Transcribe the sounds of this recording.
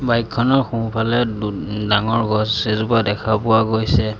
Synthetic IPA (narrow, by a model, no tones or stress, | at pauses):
bajkʰːɔnɔɹxũpʰalɛdaŋɔɹɡɔsːezupadɛkʰapʊwaɡojsɛ